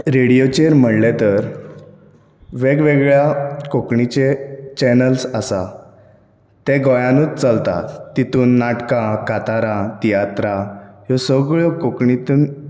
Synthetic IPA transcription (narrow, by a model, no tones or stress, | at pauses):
ɾeɽijot͡ɕeɾm̤əɽlet̪əɾ | ʋeɡʋeɡɭjakokɳit͡ɕet͡ɕɛnəlsəsa̰ | t̪ẽɡɔjãnuːt͡st͡səlt̪a̰t̪ːit̪uːnːaʈkãkat̪aɾat̪ijat̪ɾajɔsəɡɭokokɳit̪uːn